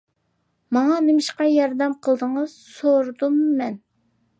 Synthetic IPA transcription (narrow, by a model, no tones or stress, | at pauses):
mɑŋɑnɪmɪʃqɑjɑɾd̪ɛmqʰəlˠd̪əŋəz̥soɾd̪umːɛn